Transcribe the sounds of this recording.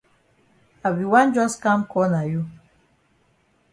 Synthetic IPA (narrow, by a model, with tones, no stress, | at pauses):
a˨bi˨wa˦nd͡ʒɔ˦ska˦mkɔ˨˦na˨ju˦